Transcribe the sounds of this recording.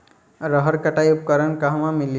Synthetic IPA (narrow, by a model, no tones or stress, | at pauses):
ɾəɦəɾkəʈajup̚kəɾənkaɦmãmil